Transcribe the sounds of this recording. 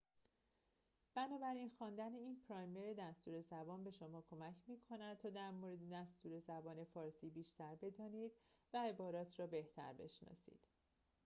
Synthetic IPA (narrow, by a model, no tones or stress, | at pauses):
b̥ænɒːbæɾinxɒːnd̪æneiːnpʰɾɒːjmeɾed̪æst̪uːɾe̞zæbɒːnbe̞ʃo̞mɒːkʰo̞mæcʰmiːkʰo̞næd̪̥̚t̪ʰɒːd̪æɾmoɾe̞d̪ed̪æst̪uːɾe̞zæbɒːne̞fɒːɾsiːbiːʃt̪ʰæɾbe̞d̪ɒːniːd̪̥væe̞bɒːɾɒːt̪ʰrɒːbe̞ht̪ʰæ̰ɾbe̞̰ʃnɒ̰ːsḭːd̪̥